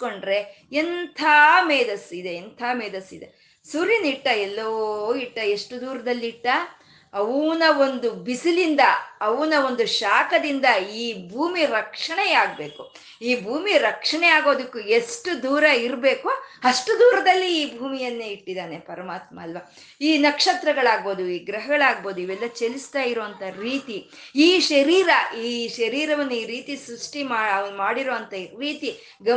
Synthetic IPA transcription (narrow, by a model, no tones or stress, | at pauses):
ko̞ɳɖɾe̞ent̪ʰaːmeːd̪ɐsid̪e̞ːnt̪ʰaːmeːd̪ɐsid̪e̞̰ | suɾiniʈːɐɛlːoiʈːɐe̞ʂʈud̪uːɾɐd̪ɐlːiiʈːɐ | ɐʋnɐo̞nd̪ubisilind̪ɐɐʋunɐo̞nd̪uʃaːkɐd̪ind̪ɐiːbʱuːmiɾɐkʂɐɳejaːɡ̚be̞ːku | iːbʱuːmiɾɐkʂɐɳɛjaːɡo̞ːd̪ukːue̞ʂʈud̪uːɾɐiɾbe̞ːkuɐʂʈud̪uːɾɐd̪ɐlːiːbʱuːmijɐnːeːiʈːid̪aːne̞pɐɾɐmaːt̪mɐːlʋaː | iːnɐkʂɐt̪ɾɐɡɐɭaːɡ̚bo̞ːd̪uiːɡɾɐɦɐɡɐɭaːɡ̚bo̞ːd̪uiʋɛlːɐt͡ʃelist̪aːjiɾoːɐnt̪ɐɾiːt̪i | iːʃɐɾiːɾɐiːʃɐɾiːɾɐʋɐnːuiːɾiːt̪isɾuʂʈimaːɐʋɐnumaːɽiɾoːʋɐnt̪ɐɾiːt̪i | ɡɐ